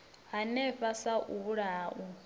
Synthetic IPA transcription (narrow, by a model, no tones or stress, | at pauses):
ɦanɛɸasaʔuβuɺaːʔu